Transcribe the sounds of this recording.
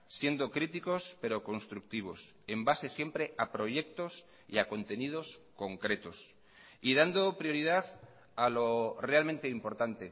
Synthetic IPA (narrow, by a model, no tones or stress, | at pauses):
sje̞nd̪o̞kɾit̪iko̞spe̞ɾo̞ko̞nst̪ɾuk̚t̪iβ̞o̞̰s | e̞mbase̞sje̞mpɾe̞ʔapɾo̞ʝe̞k̚t̪o̞s | ḭako̞nt̪e̞nið̞o̞sko̞ŋkɾe̞t̪o̞s | iðand̪o̞pɾjo̞ɾið̞aθ | alo̞re̞almẽ̞nt̪e̞impo̞ɾt̪ant̪e̞